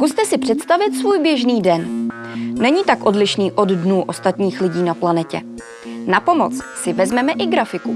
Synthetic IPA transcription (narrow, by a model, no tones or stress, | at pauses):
kust̪ɛsɪpr̝̥ɛt̪st̪avɪt̪svuːjbjɛʒniːdɛn | nɛɲiːt̪akʔo̞dlɪʃniːʔo̞ddnuːʔo̞st̪at̪ɲiːxlɪɟiːnaplanɛcɛ̰ | napo̞mo̞t͡ssɪvɛzmɛmɛʔɪɡɾafɪku